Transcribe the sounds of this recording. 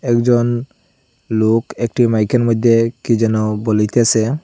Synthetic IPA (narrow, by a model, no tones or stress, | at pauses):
ɛkzɔn | lokek̚ʈimajkeɾmɔjd̪ʱːjekid͡ʒɛnɔbɔlit̪ʰease